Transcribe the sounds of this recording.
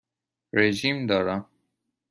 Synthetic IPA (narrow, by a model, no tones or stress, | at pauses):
ɾeʒimd̪ɒːɾam